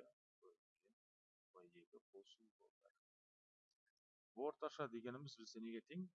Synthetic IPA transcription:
kɵɾ | kʲen | wojeɡ̪ʲɪqʰosubo̰lˠɑɾ | wo̞ɾt̪ɑʃɑd̪e̞ɡʲe̞nɪmɪzbɪseneɡʲet̪ʰeŋ

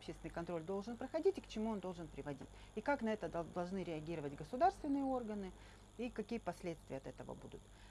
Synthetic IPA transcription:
ɐpɕest̪ʲɪnjʲkɐnt̪ɾo̞lʲd̪o̞lˠʐɨnpɾəxɐdʲitʲɪkt͡ɕɪmuond̪o̞lˠʐɨnpɾʲɪvɐdʲḭtʲikaknɐɛt̪əɐd̪ɐlˠʐnɨɾʲɪɐɡʲiɾəvətʲɡəsʊd̪arst̪vʲɪnːɨjəo̞rɡənɨ | ikɐkʲijəpɐsʲlʲet̪st̪vʲɪjəɐt̪ɛt̪əvə̰bud̪ʊt̪

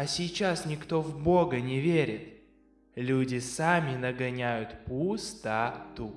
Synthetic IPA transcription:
ɐsʲɪt͡ɕasnʲɪkt̪o̞vbo̞ɡənʲɪvʲeɾʲɪt̪ | lʲudʲɪsamʲɪnəɡɐnʲæjʊt̪pust̪at̪u

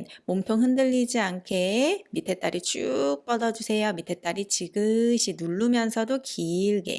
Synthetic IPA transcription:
nmomtʰoŋɦɯndɯʎːid͡ʑiankʰe̞mitʰe̞t͈aɾʔit͡ɕ͈uk̚p͈ʌdʌd͡ʑusʰe̞jomitʰe̞t͈aɾit͡ɕiɡɯɕʰinuɭːumjʌnsʰʌdokʰiːɭɡe̞̰

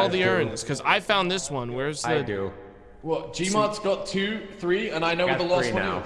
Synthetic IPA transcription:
lˠðiɜ̃˞ɨ̃nz̥kʰʌza̰ɪfãʊ̃nðɪswʌ̃nwə˞ɨzððɨʉ | wɛl̥ˠd͡ʒimɑɹtsɡ̥ɑtʰʉθɹiə̃naɪnoʊðəlæ̃ʊ

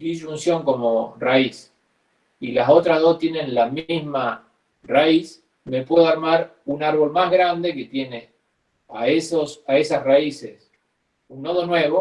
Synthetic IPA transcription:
iʒunsjo̞ŋko̞morais | ilaso̞t̪ɾaðo̞st̪je̞nẽ̞nlamizma | rais | me̞pwe̞ðaɾmaɾunaɾβ̞o̞lmaɦɣɾand̪e̞ke̞t̪je̞ne̞ | a̰esosaesasraisḛs | unːoðonwe̞βo

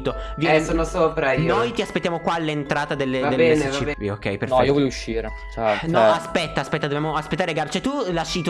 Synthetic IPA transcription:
t̪ːovjɛsoːnosopɾajnnojt̪iaspet̪ːjamokwalːent̪ɾaːt̪ad̪elːead̪eleet͡ʃieiok̟ːɛ̰jpeɾnɔiːovɔʎjouʃːiːɾe | t͡ʃanɔaspɛt̪ːaːspɛt̪ːad̪objamoaspet̪ːaɾeɡaɾot͡ʃɛt̪ulaʃːit̪

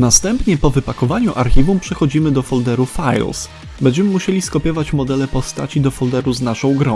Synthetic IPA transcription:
nast̪ɛmpɲɛpɔvɘpakɔvaɲuʔaɾxʲivumpʂɛxɔd͡ʑimɘd̪ɔfɔld̪ɛɾufajls | bɛɲd͡ʑɛmɘmuɕɛlʲiskɔpʲjɔvat͡ɕmɔd̪ɛlɛpɔst̪a̰t͡ɕid̪ɔfɔld̪ɛɾuznaʂɔ̃w̃ɡɾɔ̃w̃

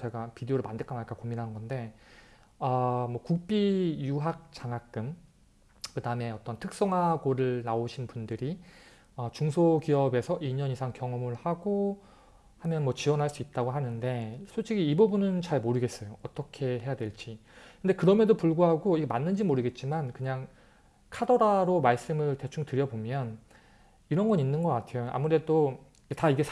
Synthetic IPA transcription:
t͡ɕe̞ɡapideoɾɯɭmandɯɭk͈ʰanaɲik͈akominɦanɯnɡʌnde̞ | ʌmwʌkuk̚p͈ijuɦak̚t͡ɕ͈aŋɦak͈ɯm | kɯdame̞ʌt͈ʌntʰɯk̚s͈ʌŋɦaɡoɾɯɭnaoɕʰinpundɯɾi | ʌt͡ɕuŋsʰokiʌbe̞sʰʌʔiɲʌnisʰaŋkjʌŋʌmɯɭhaɡo | hamjʌnmwʌt͡ɕiwʌnɦaɭs͈uit̚t͈aɡoɦanɯnde̞sʰot͡ɕʰiɡiːbubunɯnt͡ɕaɭmoɾɯɡe̞s͈ʌjoʌt͈ʌkʰe̞ɦe̞jadwe̞ɭt͡ɕ͈i | kɯndekɯɾʌmjʌdopuɭɡoɦaɡoiɡemanːɯnd͡ʑimoɾɯɡe̞t̚t͡ɕ͈imankɯɲaŋ | kʰadʌɾaɾomaɭs͈ɯmɯɭte̞t͡ɕʰuŋtɯɾjʌbomjʌn | iɾʌnɡʌnɲinːɯnɡʌk͈atʰe̞joa̰muɾe̞do | taiɡe̞s

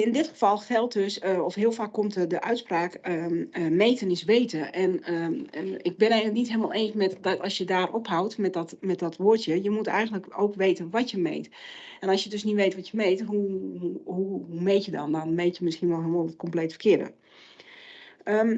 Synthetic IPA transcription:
ɪndɪtχə̥fɔlˠxɛlˠtdøsɔfɦɪəlˠfaːkːomtədəʔœɥtspraːkəəmejtənɪsʋeːtəʔɛnəɪɡ̚bɪnɛjɣənənitɦeləmalˠeːnsmɛtdɔtɑsjədaːrʔɔpɦawtmɛdɔtmɛt̚dɔtʋoətjəjəmutɛ̰jɣəndləkowkʋeːtənʋɔtjəmḛjt | ɛnɔlsjədøsnitʋejtʋɔtjəmejtɦu | ɦuɦumejtjədɔ̰ndɔnmejtjəmɪsxiənʋɔlˠɦɪlmalˠətkɔmpleːtfə̥rkʰɪədə̰ | ə

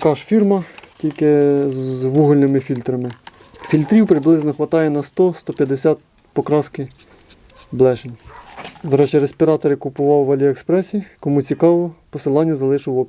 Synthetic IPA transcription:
kɑʃfʲirmɐtʲilʲkɪzʋuɦʊlʲnɪmɪfʲilʲt̪ɾɐmɪ | fʲilʲt̪ɾʲiwpɾɪblˠɪznɔxʋɐt̪ɑjɛnɐst̪ɔst̪ɔpʲjɐd̪esʲɑt̪̚ | pɔkɾɑskɪ | blˠɛʃenʲd̪ɔɾɛt͡ʃɛɾesʲpʲiɾɑt̪ɔɾɪkʊpʊʋɑwʋɑlʲiekspɾɛsʲikɔmut͡sʲikɑʋɔpɔsɪlˠɑnʲːɐzɐlˠɪʃʊwɔp

